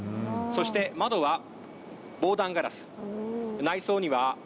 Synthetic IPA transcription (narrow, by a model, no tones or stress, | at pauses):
so̞ɕi̥t̪e̞mad̪o̞βa | bo̞ːd̪ãŋɡaɾa̰sɨ̥ | naiso̞ːɲ̟iβa